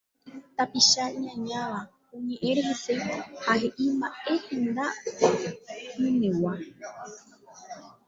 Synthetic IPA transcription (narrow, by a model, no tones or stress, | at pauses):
t̪apiʃaɲãɲãʋa | õɲẽ̞ʔẽɾeɦese̞hahe̞ʔimbae̞hẽnd̪a | ĩnẽwa